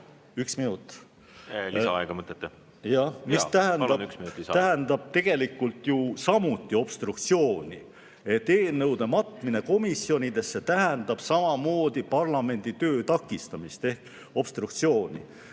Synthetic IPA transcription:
yksminut̪ːˑ | lsɑɑeɡ̥ɑmɤt̪ːˑet̪ːe | jɑmist̪æɦenɑyksmit̪æɦɛnd̪ɑb̥̚t̪e̞ɡ̥e̞likːˑult̪jusɑmut̪ːˑio̞b̥st̪ɾukt̪sio̞ːnʲi | e̞t̪ːe̞ːnːɤwd̪e̞mɑt̪mine̞ko̞misio̞nʲid̪e̞sːe̞t̪æɦɛnd̪̥ɑb̥sɑmɑmo̞ːd̪̥ipɑrlɑme̞nd̪̥it̪ø̞ːt̪ɑkːˑist̪ɑmist̪e̞hk | o̞b̥st̪ɾuk̚t̪sio̞ːnʲḭ

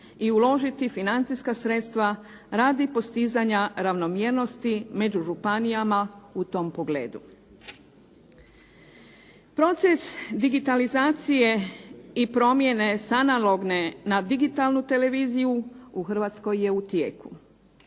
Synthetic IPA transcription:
iulo̞ʒit̪ifinant̪siskasɾe̞t̪st̪ʋa | ɾaːd̪ipo̞st̪izaɲaɾaʋno̞mjeɾno̞st̪ime̞d͡ʑuʒupanijamaut̪o̞ːmpo̞ɡlḛːd̪u | pɾo̞t̪se̞sd̪iɡit̪alizaːt̪sije̞ipɾo̞mje̞ne̞sanalo̞ɡne̞nad̪iɡit̪alˠnut̪e̞le̞ʋiːzijuuxr̩ʋat̪sko̞jːe̞ut̪jeːku

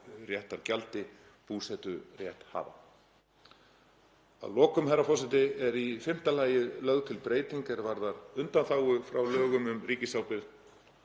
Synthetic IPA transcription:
rjɛht̪aɾcalt̪ɪ | puːsɛt̪ʏrjɛht̪ha̰ːva̰ | a̰ðlɔːkʏmhɛrːafɔsɛt̪ɪɛɾifɪm̥t̪alaːjɪðlœðt̪ʰɪlpɾeːjt̪iŋkɛɾvaɾðaɾʏnt̪anθaːwʏfɾawlœːɣʏmʏmriːcɪsaːwpɪð

